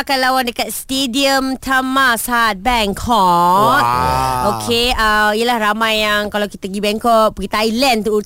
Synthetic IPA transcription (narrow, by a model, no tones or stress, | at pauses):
kanlawandəkat̪̚st̪ediəmt̪ʰamasat̪̚bɛŋkʰɔt̪̚okʰeəmijəlahramajːaŋkalawkit̪aɡibɛŋkɔʔ̚pəɡit̪ailɛnt̪uu